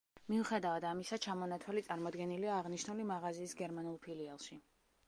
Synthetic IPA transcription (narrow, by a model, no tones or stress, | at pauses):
miuχɛd̪avad̪amisat͡ʃʰamɔnat̪ʰwalit̪sʼaɾmɔd̪ɡɛniliaːʁniʃnulimaʁaziːsɡɛɾmanulˠpʰilialˠʃi